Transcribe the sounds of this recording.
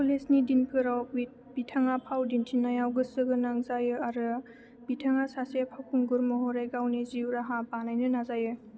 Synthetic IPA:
pulesnidinkʰɯɾawit̚ | b̥itʰaŋapʰawdintʰinajawɡɯsɯɡɯnaŋzajɯaɾɯ | bitʰaŋasasepʰawkʰuŋɡuɾmɔɦɔɾejɡawniziwɾaɦapanajnɯnazajɯ

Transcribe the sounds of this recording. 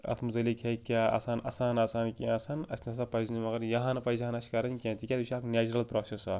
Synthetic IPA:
ɐ̰t̪ʰmut̪ɐlikʰɦekʲaɐ̰saːnʔɐ̰saːnɐsaːnkʲiɐsanɐsʲnɐsapɐznimɐɡɐɾjɐɦanpɐizaːnɐsʲi̥kɐɾɐnʲkʲãːt̪ikʲat̪isʰʲaːkneːt͡ʃuɾɐlpɾoːsesɐ

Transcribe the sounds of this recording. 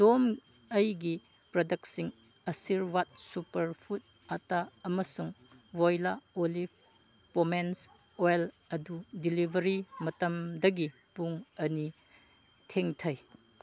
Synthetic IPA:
dom | ɐjɡi | pɾɐdɐk̚siŋ | ɐsiɾwat̚supɐɾpʰut̚ | ataɐmɐsuŋwojlaolip̚ʰ | pomens | ojl | ɐdudilibʱɐɾimɐtɐmdɐɡi | puŋɐni | tʰeŋtʰɐj

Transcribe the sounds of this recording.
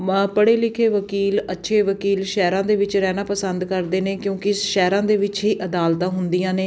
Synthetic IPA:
pəɽeːlɪkʰeːʋəkiːlətːʃʰeːʋəkiːlʃɛːɾãːd̪eːʋɪt͡ʃɾɛːnaːpəsənd̪kəɾd̪eːneːkjõːkɪʃɛːɾãːd̪eːʋɪt͡ʃɦiːʔəd̪aːlt̪ãːɦʊnd̪ijãːneː

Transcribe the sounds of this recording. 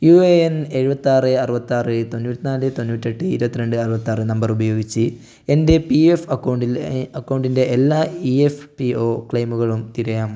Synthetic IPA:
jueene̞ɻubɐt̪ːaːrɨɐrɨbɐt̪ːaːrɨt̪o̞nːuːt̪ːinaːlɨt̪onːuːtːeʈːɨiɾubɐt̪ːiɾe̞ɳɖɨɐrubɐt̪ːaːrɨnɐmbɐrubɐjoːɡit͡ɕːɨ | e̞nde̞piefɐkːɐwɳɖilɐkːɐwɳɖinde̞ːlːaːiefpio̞ːkɭɐjmuɣɐɭumt̪iɾɐjaːm

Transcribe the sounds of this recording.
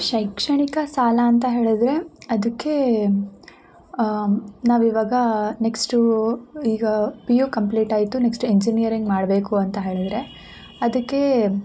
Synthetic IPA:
ʃɐjkʂɐɳikɐsaːlɐːnt̪ɐɦe̞ːɭid̪ɾe̞ɐd̪ɐkːe̞ | naːʋiʋaːɡɐne̞ksʈuiːɡɐpijukɐmpliːʈaːjt̪uneksʈeɲd͡ʒinijɐɾiŋɡmaːɽbe̞ːkuɐnt̪ɐɦe̞ːɭid̪ɾe̞ | ɐd̪ɐkːe̞

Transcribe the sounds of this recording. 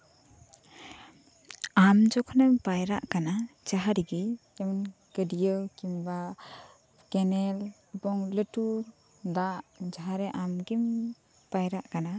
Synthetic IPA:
amd͡ʒɔkʰnabajɾaʔkanad͡ʒaɦaɾiɡijemin | ɡ̥ədijɯwkimba | kenel | bɔŋlɯtu | daʔd͡ʒaɦaɾeʔamɡim | b̥ajɾaʔɡana

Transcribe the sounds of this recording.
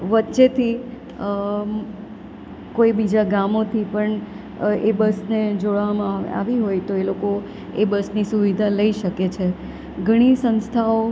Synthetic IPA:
ʋətːʃet̪ʰi | koibid͡ʒaɡamot̪ʰipəɳ | ebəsned͡ʒoɭʋamãa̰ʋiɦojt̪oeloko | ebəsnisuʋid̪ʱaləiʃəket͡ʃʰe | ɡʱəɽ̃isə̃nst̪ʰao

